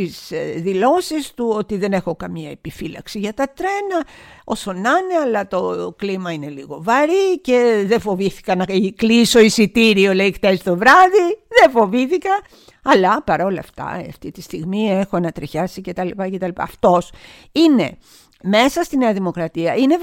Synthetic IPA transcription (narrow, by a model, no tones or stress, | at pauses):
t̪isðilo̞sist̪uot̪iðe̞nexo̞kɐmiɐe̞pifilɐ̰ksiʝɐt̪ɐt̪ɾe̞nɐo̞so̞nɐneɐlɐt̪o̞klimɐine̞liɣo̞vɐɾice̞ðefo̞viθi̥kɐnɐkliso̞isit̪iɾio̞leikt̪esit̪o̞vɾɐðiðefo̞viθikɐ | ɐlɐpɐɾo̞lɐ̰ft̪ɐ̰ɐft̪it̪ist̪iɣmie̞xoɐnɐt̪ɾiçɐsice̞t̪ɐlipɐce̞t̪ɐlipɐ̰ːft̪o̞s | ine̞̰ | me̞sɐst̪ineɐðimo̞kɾɐt̪iɐine̞